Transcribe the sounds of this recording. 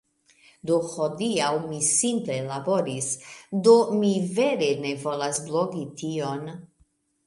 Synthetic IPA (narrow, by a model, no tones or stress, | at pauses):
d̪ohod̪iawmisimple̞laboɾisd̪o̞mive̞ɾe̞ne̞vo̞lasbloɡit̪ion